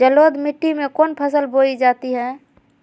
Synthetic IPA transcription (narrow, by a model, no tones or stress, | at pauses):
d͡ʒəloːd̪mɪʈːimẽkoːnpʰəsəlboid͡ʒaːt̪iɦɛ̃